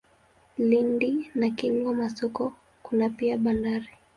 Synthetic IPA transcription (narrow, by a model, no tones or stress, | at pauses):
lindinakiŋɡɔmasɔkɔ | kunapiaɓandaɾi